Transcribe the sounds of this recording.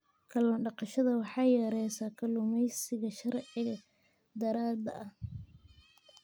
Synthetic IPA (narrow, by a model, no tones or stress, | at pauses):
kʰɐlɔːnɖɑqɑʃɐðɐwɑħɑjɛɾɛjsaːkʰɐlʊmɛjsɪɣɐʃɐɾʕɪɐ | d̪ɐɾaːd̪ɐ̰ʔɐh